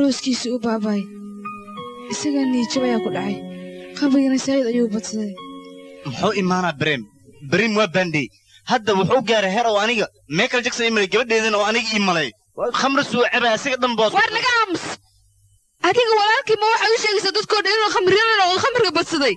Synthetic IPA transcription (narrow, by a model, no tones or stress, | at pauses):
ɾɔːskʰiːsiʊbaːβaːj | ʔɪsɐɣɐniːt͡ʃɐβɐjaːkʰʊɖɑʕɑjχɑmrɪɣɐnɐsɐːjɐd̪ɐjuːʊbɐd̪sɐðɛj | mʊħuːɪmaːnɐːbɾɛːm | bɪɾiːmwɑːbɐnɖɛj | hɐd̪ɐwʊħuːʊɡaːɾɛɦɛːɾɔːɐnɪɣɐ | mɛːlkʰɐlɐt͡ʃɐksɐiːmɐlɛjɡɐβɐɖɛːðɐnɐɔːɐnɪɣɐiːmɐlɛj | χɐmɾsuʕɛβaːsɐɣɐɗɐmbɔwɑːrlɐɣɐaːmʊs | ʔɐðɪɣɐwɑlaːlkiːmɐwɑħɑːʊʃɛːɣɛjsaːd̪ɐd̪̚kʰɔːɖɐnɪnuχɑmrɪjɐnɐnɔqχɑmɪrkʰɐbɐd̪sɐðɛj